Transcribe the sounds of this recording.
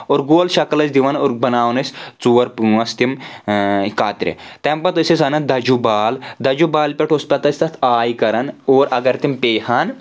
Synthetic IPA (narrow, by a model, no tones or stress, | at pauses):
oːɾɡoːlʃɐkɐlɐsd̪iʋɐnoːɾbɐnaːʋnɐsʲt͡suːɐɾpuɐst̪im | kaːt̪ɾḛt̪empɐt̪ɐsɐsɐnɐd̪ɐd͡ʒubaːld̪ɐd͡ʒubaːlpʲeʈʰospʲɐt̪ɐsʲt̪ɐt̪ʰaːjkɐɾɐnoːɾɐɡɐɾt̪impeːhaːn